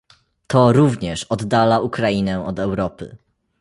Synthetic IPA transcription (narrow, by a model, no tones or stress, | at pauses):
t̪ʰɔɾuvɲɛʂɔd̪ːalaʔukɾainɛ̃ɔd̪ɛwɾɔpɘ̰